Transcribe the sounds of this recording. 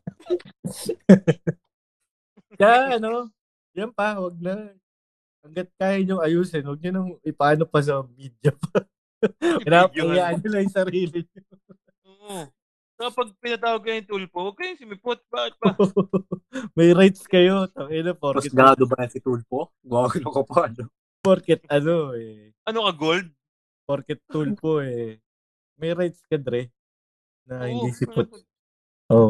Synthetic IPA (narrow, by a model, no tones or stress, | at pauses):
jaʔɐno̞ | jɐnpɐwɐɡ̚nɐ | hɐŋɡɐt̪̚kaːjɪɲjʊŋɐjuːsɪnwɐɡ̚ɲʊnɐŋɪpɐaːnopɐs̬ɐmid̪jɐpa | ɪnapɐɪjaːʔɐnɲʊlɐjʊŋsɐɾiːlɪɲo | oʔ | sopɐɡ̚pɪnɐt̪aːwɐɡ̚kɐjʊŋt̪ulpowɐɡ̚kːɐjʊŋsɪmɪpot̪̚bat̪̚bɐ | mɐjɾajt̪̚skɐjot̪ɐɛnopoɾɐkɛɡaːd̪obɐjɐsɪt̪ulpo | ɡwaːɡɪnɐkopaɐlo | poɾkɛt̪̚ɐnoɛ | ʔɐnokɐɡold̪̚ | poɾkɛt̪ːulpoɛ | mɐjɾajt̪̚skɐd̪ɾɛ | nɐhɪndd̪isɪpot̪̚ | ʔo